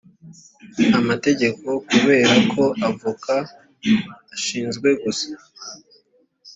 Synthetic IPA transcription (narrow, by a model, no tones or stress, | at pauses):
amate̞ɟe̞ko̞kuβe̞ːɾakʰo̞ʔavukʰaː | ʃiːnzɡwe̞ɡusḁ